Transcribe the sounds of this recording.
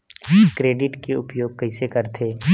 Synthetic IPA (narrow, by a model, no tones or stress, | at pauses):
kɾeːɖɪʈkeʊpjoːɡ̚kɐɪsekɐɾt̪ʰeː